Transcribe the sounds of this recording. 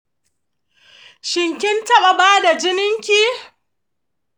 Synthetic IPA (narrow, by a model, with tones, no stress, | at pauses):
ʃɪ˨ŋkʲɪ˦ntɐ˦ɓa˨baː˦da˨d͡ʒɪ˦nɪ˦ŋkʲiː˦